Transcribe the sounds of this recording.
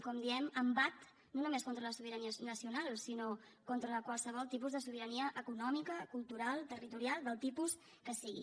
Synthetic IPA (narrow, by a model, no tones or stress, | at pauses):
kɔmd̪iɛməmbat̪ | nonumeskont̪ɾələsuβ̞iɾəniənəsiunalˠsino | kont̪ɾəəkwəlˠsəβ̞ɔlˠt̪ipuzðəsuβiɾəniəʔəkunɔmikəkulˠt̪uɾalˠt̪ərit̪uɾialˠd̪əlˠt̪ipus | kəsiɣḭ